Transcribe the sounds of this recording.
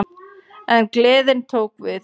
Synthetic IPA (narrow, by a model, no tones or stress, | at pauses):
ɛnklɪːðɪnt̪ʰoːwkvɪθ